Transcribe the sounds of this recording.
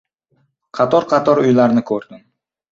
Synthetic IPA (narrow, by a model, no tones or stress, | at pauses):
qʰɑt̪ʰɒɾqʰɑt̪ʰɒɾʊjlaɾnɪkʰɵɾd̪ɪm